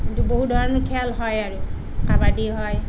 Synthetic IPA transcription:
intuboɦudʱɔɹɔnɔkʰɛlɦɔjaɹʊ | kabadiɦɔj

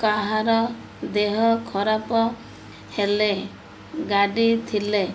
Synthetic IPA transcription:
kaɦaɾɔ | d̪eɦɔkʰɔɾapɔ | hele | ɡaɖit̪ʰile

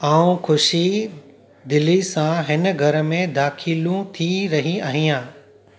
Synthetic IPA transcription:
aːũkʰʊʃi | d̪ɪlisãɦɪnɡʱɐɾə̆mẽd̪aːkʰɪlũt̪ʰiɾɐɦiaːɦĩãː

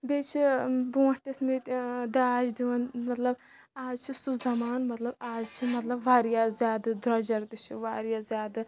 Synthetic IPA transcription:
beːt͡ʃʰibõːht̪esmet̪d̪ɐaːd͡ʒd̪iʋɐnmɐt̪lɐb | aːzt͡ʃʰisuszɐmaːnmɐt̪lɐbaːzt͡ʃʰimɐt̪lɐbʋaːɾjaːzjaːd̪ɨd̪ɾɐd͡ʒɐɾt̪ɨt͡ʃʰiʋaːɾijaːzjaːd̪ɨ

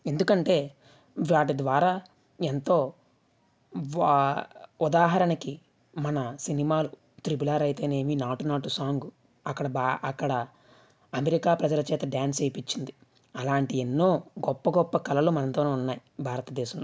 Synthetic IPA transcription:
e̞nd̪ukɐɳʈe̞ː | ʋaːʈid̪ʋaːɾaː | ent̪o̞ː | ud̪aːɦɐɾɐnɐki | mɐnɐsinimaːlu | t̪ɾibulaːɾɐjt̪e̞ːne̞ːminaːʈunaːʈusaːŋɡu | ɐkːɐɽɐbaɐkːɐɽɐ | ɐmeɾikaːpɾɐd͡ʒɐlɐt͡ʃɛːt̪ɐɖjaːnsɐjpit͡ʃːind̪i | ɐlaːɳʈienːoːɡɔpːɐɡɔpːɐkɐlɐloːmɐnɐnt̪oːne̞ːunːaːjibʱaːɾɐt̪ɐd̪ɛːʃɐmloː

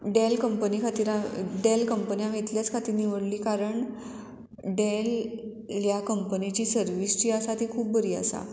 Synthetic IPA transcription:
ɖelkəmpənikʰat̪iːɾaɖelkəmpənijãmit̪ljat͡skʰat̪iːɾniʋəɽliːkaɾəɳ | ɖelː | jakəmpənit͡ɕiːsəɾʋist͡ɕiːasat̪iːkʰuːp̚bəɾiːa̰sa̰

